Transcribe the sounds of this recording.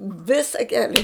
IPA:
ˈʋʲɪsɐ ˈkʲæːlʲɪ

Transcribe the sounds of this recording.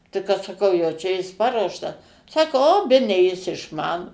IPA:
tɐɪ kɐt sɐˈkɐʊ jɛʊ ˈt͡ʃʲɛ ˈjɪs ˈpɑːruɔʃtɐs ˈsɑːkoː oː ˈbʲæːnʲɛ jɪs ɪʃˈmɑːnoː

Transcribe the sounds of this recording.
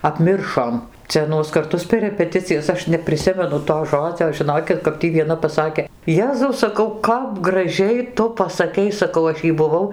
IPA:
ɐpʲˈmʲɪrʃoːm ˈt͡sʲɛ ɐˈnuɔs kɐrˈtʊs pʲɛr rʲɛpʲɛˈtʲɪt͡sʲɪjɛs ˈɐʃ nʲɛpʲrʲɪˈsʲɪmʲɛnʊ toː ˈʒoːd͡zʲoː ʒʲɪˈnoːkʲɪt kɐp ˈtʲiː ʋʲiɛˈnɐ pɐˈsɑːkʲeː ˈjæːzɐʊ sɐˈkɐʊ ˈkɐp ɡrɐˈʒʲɛɪ ˈtʊ pɐsɐˈkʲɛɪ sɐˈkɐʊ ˈɐʃ jɛɪ bʊˈʋɐʊ

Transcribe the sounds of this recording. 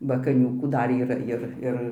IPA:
bɐ kɐˈnʲuːkuː ˈdɐr iːˈrɐ jɪr ˈɪr

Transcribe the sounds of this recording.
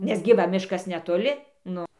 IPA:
nʲɛs ɡʲɪ ˈʋɐ ˈmʲɪʃkɐs nʲɛtoːˈlʲɪ ˈnʊ

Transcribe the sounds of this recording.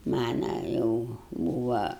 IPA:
ˈmɑːnɐ jɛʊ ˈbuːʋɐ

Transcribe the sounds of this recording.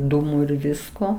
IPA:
ˈduːmʊ ɪr ˈʋʲɪskoː

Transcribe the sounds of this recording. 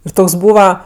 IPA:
ɪr ˈtoːks ˈbuːʋɐ

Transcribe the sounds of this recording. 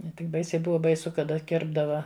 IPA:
nʲɛ ˈtʲɪk ˈbɐɪsʲɛɪ ˈbʊʋɐ bɐɪˈsʊ kɐˈdɐ ˈkʲɪrbdɐʋɐ

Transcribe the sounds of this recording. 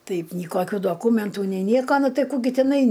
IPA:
ˈtɐɪp nʲiː ˈkoːkʲʊ doːˈkuːmʲɛntuː nʲɛɪ ˈnʲiɛkoː ˈnʊ ˈtɐɪ ˈkuː ˈɡʲɪ tʲɪˈnɐɪ

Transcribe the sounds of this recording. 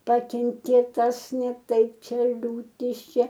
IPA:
ˈpɑːkʲɛŋʲkʲeː ˈtɐs nʲɛ ˈtɐɪp ˈt͡ʃʲɛ lʲuːˈtʲɪs ˈt͡ʃʲɛ

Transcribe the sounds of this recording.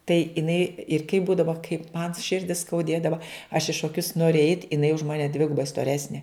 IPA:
tɐɪ ɪˈnɐɪ ɪr kɐɪ ˈbuːdɐʋoː kɐɪp mɐn ˈʃʲɪrʲdʲɪ skɐʊˈdʲeːdɐʋɐ ɐʃ ɪ ʃoːˈkʲʊs ˈnoːrʲɪ ɛɪtʲ ɪˈnɐɪ ʊʃ ˈmɑːnʲɛ ˈdʲʋʲɪɡʊbɐɪ stoːˈrʲæːsʲnʲeː

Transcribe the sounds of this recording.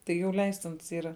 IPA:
tɐɪ jɛʊ ˈlʲɛɪsʲtʲɪns ˈiːrɐ

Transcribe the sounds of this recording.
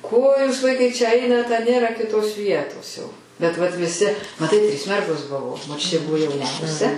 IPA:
koː juːs ˈʋɐɪkɐɪ t͡ʃʲɛ ˈɐɪnɐt ɐ ˈnʲeːrɐ kʲɪˈtoːs ˈʋʲiɛtoːs jɛʊ bʲɛt ʋɐt ʋʲɪˈsʲɪ mɐˈtɐɪ tʲrʲiːs ˈmʲɛrɡoːs ˈbʊʋoː moːˈt͡ʃʲʊtʲeː ˈbʊʋoː jɛʊˈnʲɛʊsʲɛ

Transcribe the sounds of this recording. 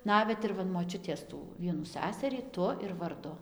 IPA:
ˈnɑːʋʲɛt ɪr ˈʋɐ ɪn moːˈt͡ʃʲʊtʲeːs ˈtuː ˈʋʲiɛnuː ˈsʲæsɐrʲiː ˈtʊ ɪr ʋɐrˈdʊ

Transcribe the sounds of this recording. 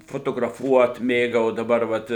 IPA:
foːtoːɡrɐˈfuɔt ˈmʲeːɡɐʊ oː dɐˈbɐr ˈʋɐt

